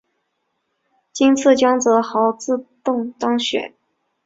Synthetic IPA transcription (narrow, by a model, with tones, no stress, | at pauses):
t͡ɕi˥nt͡sʰɹ̩˥˩t͡ɕjɑ˥ŋt͡sɤ˧˥xɑ˧˥ʊt͡sɹ̩˥˧t̪ʊ˥˩ŋt̪ɑ˥ŋɕɥɛ̰˨˩˦n